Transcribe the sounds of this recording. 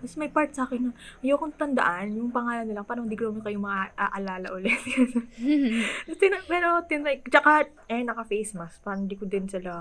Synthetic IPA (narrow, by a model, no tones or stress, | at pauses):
bɐsmɐjpaɾt̪̚saːkɪnːʊnɐjokont̪ɐnd̪ɐ̰ʔanjʊŋpɐŋaːlɐnːɪlɐŋpaːɾɐŋd̪ɪɡlomokɐjʊmɐŋʔaʔɐlaːlɐ̰ʔʊlɛt̪jas | ɐst̪ɪnɐmɛːɾot̪ɪnɐt͡ʃɐka | ʔɛnɐkɐfɛjsmɐspɐɾɐɪnd̪ikod̪ɪnsɪlɐ